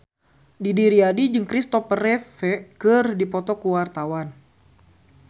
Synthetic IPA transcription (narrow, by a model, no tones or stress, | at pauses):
didiɾiadid͡ʒɨŋkɾist̪ɔpərɛfɛkɨrdipɔt̪ɔkuwart̪awan